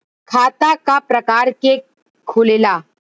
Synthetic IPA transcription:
kʰaːt̪akapɾɐkaːɾke | kʰʊleːlaː

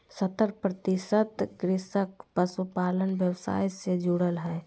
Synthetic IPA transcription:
sət̪əɾpɾət̪isət̪ɡɾɪsəkpəsupaːlənʋjəwsa̰ːjsed͡ʒuɽəlɦɛː

